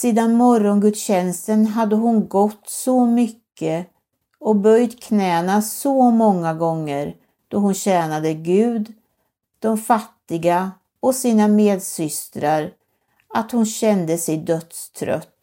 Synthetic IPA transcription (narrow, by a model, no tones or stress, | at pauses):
siːd̪anmɔɾɔnɡɵt̪ɕɛnst̪ənɦad̪ːəɦʊnɡɔt̪ːsɔmʏkʰːə | ɔbœjd̪kʰnɛːnasɔmɔŋːaɡɔŋːəɾ | d̪̥ɔɦʊnɕɛːnad̪əɡʉ̟ːd̪ | d̪̥ɔmfat̪ːɪɡa | ɔsiːnameːd̪sʏst̪ɾaɾ | at̪hʊnɕɛnd̪əsɛjd̪œt̪st̪ʰɾœ̰t̪ː